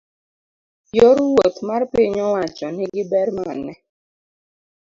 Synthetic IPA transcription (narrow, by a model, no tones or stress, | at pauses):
joɾʊwot̪marpɪɲɔwat͡ʃɔnɪɡɪbɛɾmanɛ